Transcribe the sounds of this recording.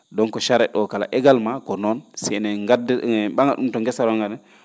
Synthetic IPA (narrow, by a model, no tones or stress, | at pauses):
dɔnkɔʃaɾɛɗɔkala̰ʔɛɡalmakɔnɔnsɛnɛɡadɓaŋɡaɗumtɔŋɡɛsaɾɔŋɡadɛ